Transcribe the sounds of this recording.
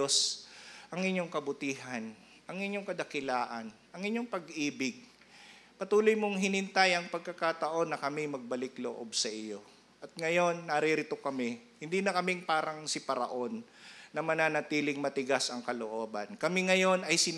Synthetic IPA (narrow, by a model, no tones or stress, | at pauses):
osʔɐŋɪɲːo̞ŋkɐbʊt̪iːɦɐn | ʔɐŋɪɲːo̞ŋkɐd̪ɐkɪlaːʔɐn | ʔɐŋɪɲo̞ŋpɐɡʔiːbɪɡ̚ | pɐt̪uːlojmoŋɦɪnɪnt̪ajɐŋpɐɡ̚kːɐkat̪ɐʔo̞nːɐkɐmɪmɐɡ̚bɐlɪklo̰ʔo̞̰bsɐʔɪjo̞ | ʔɐt̪̚ŋɐjo̞nːɐɾiɾɪt̪o̞kɐmɛhɪnd̪iːnɐkɐmɪŋpaːɾɐŋsɪpɐɾɐ̰ʔo̞nːɐmɐnaːnɐt̪iːlɪŋmɐt̪ɪɡasɐŋkɐlo̰ʔo̞ːbɐ̰nkɐmɪŋɐjo̞nɐjsɪ